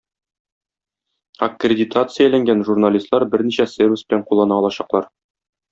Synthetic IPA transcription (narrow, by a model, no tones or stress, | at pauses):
ɐkrʲɪdʲɪt̪at̪sɨjælæŋɡænʒurnalʲist̪lˠɑɾbɘɾniɕæsʲervʲɪsbɘ̆læɴqulˠɑnɑɒlˠɑɕɑqlˠɑɾ